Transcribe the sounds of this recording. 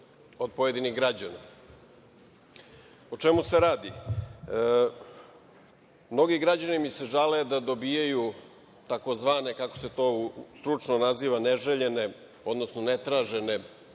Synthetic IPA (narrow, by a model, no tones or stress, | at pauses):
o̞d̪̚poje̞d̪iniɣɡɾad͡ʑana | ot͡ʃemuse̞ɾaːd̪i | mno̞ɡiɡɾad͡ʑanimise̞ʒaled̪ad̪o̞bijaju | t̪ako̞zʋaːne̞kako̞̥se̞t̪o̞ːst̪ɾut͡ʂnonaziːʋaneʒeʎe̞ne̞ | o̞d̪no̞snonet̪ɾaːʒe̞ne̞